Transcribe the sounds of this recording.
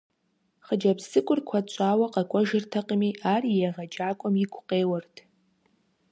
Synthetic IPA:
χəd͡ʒabsɨkʷʼʊrkʷʰat͡ʃʷʼaːwaqʼakʷʼɔʒɪrtʰaqʼəmiʔaːrijaʁad͡ʒaːkʷʼɔmikʷʰʼqʼeːwartʰ

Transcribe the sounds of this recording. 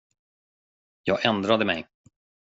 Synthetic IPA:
jɑːɡʔɛnd̪ɾad̪əmɛ̰j

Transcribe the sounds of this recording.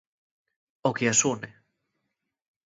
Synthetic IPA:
okeasune

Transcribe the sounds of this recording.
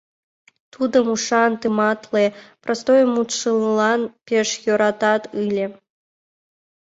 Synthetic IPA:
t̪ʰud̪əmuʂɑnt̪ɨmɑt̪lˠeprʔɐst̪ojmut̪ʂɨlˠlɑnpʲeʂjoɾɑt̪ɑt̪ɨlʲe

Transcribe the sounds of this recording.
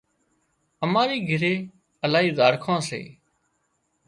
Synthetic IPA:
əmaːɾiːɡʱɪɾeː | əlaːɦiːd̪aːɾkʰãːsḛː

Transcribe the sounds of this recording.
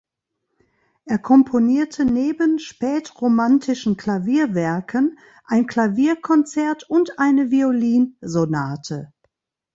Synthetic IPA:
ʔeːɐkʰɔmpʰoniːɐtʰəneːbənʃpɛːtʁomantʰɪʃn̩kʰl̥aviːɐvɛɐkʰən | ʔaɪnkl̥aviːɐkʰɔnt͡sɛɐtʊntʔaɪnəvioliːnzonaːtʰə

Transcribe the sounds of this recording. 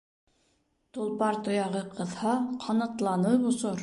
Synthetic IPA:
t̪olˠpɑɾt̪ŏjɑʁɤqʰɤ̆ðhɑqʰɑnɤ̆t̪lˠɑnɤbŏsoɾ

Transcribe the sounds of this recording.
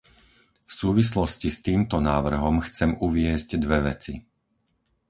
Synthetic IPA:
fsuːʋislɔscist̪iːmt̪ɔnaːʋr̩ɦɔmxt͡sɛmuʋɪɛzɟd̪ʋɛʋɛ̰t͡si

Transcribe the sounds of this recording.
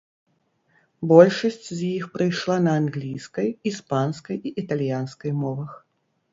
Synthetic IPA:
bɔlʲʂɐsʲt͡sʲzʲjixpɾɨjʂlˠanɐːnɣlʲijskɐjispanskɐjiʔit̪alʲjanskɐjmɔvɐx

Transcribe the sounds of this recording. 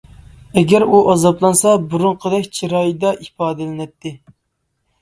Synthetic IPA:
ɛɡʲæɾuʔɑzɑplˠɑnsɑbuɾuɴqʰəd̪ɛkʲt͡ʃʰiɾɑjd̪ɑʔipɑːd̪ɨlɪnɛt̪ːɪ

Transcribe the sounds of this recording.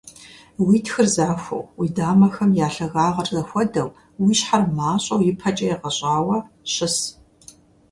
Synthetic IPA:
wiːtʰxɨrzaːxʷɐ̰wwiːdaːmɐxɐmjaːɬɐɣaːʁɐrzɐxʷɔdɐw | wiːʃħarmaːɕʼɐwjɪpʰɐt͡ʃʼɐjɛʁɐɕʼaːwɐ | ɕɪs

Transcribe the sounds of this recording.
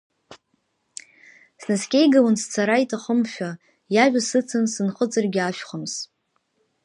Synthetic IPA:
snaskʲʼejɡawanst͡sʰaɾaitʼaχəmʃᶣa | jaʒʷᶣasɨt͡sʰɨnsɨnχət͡sʼɨrɡʲɪaʃᶣχʷʊms

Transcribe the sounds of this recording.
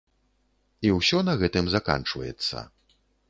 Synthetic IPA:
iwsʲɔnɐɣɛt̪ɨmzaka̰nt͡ʂvɐ̰jɛ̰t̪sːɐ̰

